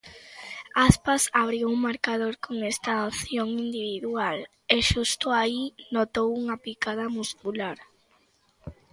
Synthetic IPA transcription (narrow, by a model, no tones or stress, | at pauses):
aspasaβɾiwuŋmaɾkaðoɾkoŋest̪aoθjoŋind̪iβ̞iðual | eʃust̪ʊainot̪owuŋapikað̞ɐmuskulaɾ